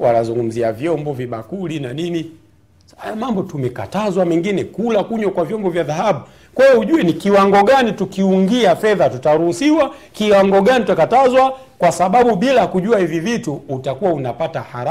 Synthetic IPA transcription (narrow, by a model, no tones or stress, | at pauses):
walazuŋɡum̩ziavjɔmbɔviɓa̰kulinanini | ajamambɔtumɛka̰tazwamɛŋɡinɛkulakuɲwakwavjɔmbɔvjaðahaɓu | kwɛjɔuʄuɛnikiwaŋɡɔɡanitukiuŋɡiafɛðatutaɾuhusiwakiwaŋɡɔɡanitutakatazwa | kwasaɓaɓuɓilakuʄuahivivituːtakuwaunapatahaɾa